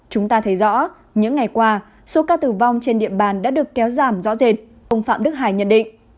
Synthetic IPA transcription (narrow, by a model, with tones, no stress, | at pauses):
t͡ɕʊ˨˦ŋ͡mt̪aː˧t̪ʰə˨˦jzɔ̰˧˥ | ɲɨ̰˧˥ŋːa˨˩jkwaː˧ | so˨˦kaː˧t̪ɨ˨˩va˧wŋ͡mt͡ɕe˧nɗḭ˧˨əɓaː˨˩nɗa̰ː˧˥ɗɨ˨˩əkːɛ˨˦wzaː˨˩mzɔ̰˧˥ze˨˩t̚ | ʔə˧wŋ͡mfa̰ː˧˨mɗɨ˦˥k̚ɦaː˨˩jɲə̰˧˨nɗḭ̈˧˨ŋ̟